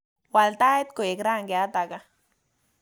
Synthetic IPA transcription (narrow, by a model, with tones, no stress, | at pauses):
wa˨lt̪a˦e˦t̪ko˨je˨kɾa˦ŋɡe˨a˦t̪a˨ka˦